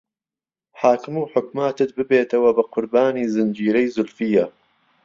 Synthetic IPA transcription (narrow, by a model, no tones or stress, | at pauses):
ħaːkɨmuːħʊkmaːt̪ɨt̪̚bɨbeːt̪ɐwɐbɐqʰʊɾbaːniːzɨnd͡ʒiːɾɐjzʊlfijːɐ